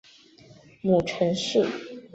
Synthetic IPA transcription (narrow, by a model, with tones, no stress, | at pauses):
mu˨˩ʈ͡ʂʰə˧˥nʂu˥˩